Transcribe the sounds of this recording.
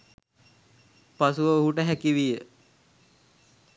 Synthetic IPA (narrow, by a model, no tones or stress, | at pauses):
pasuʋəuɦuʈəɦækiʋijə